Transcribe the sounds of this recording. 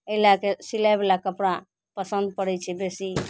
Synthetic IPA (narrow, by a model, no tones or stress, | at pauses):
əilakesilajbelakəpɽa | pəsənd̪̚pəɽɛt͡ʃʰɛbesi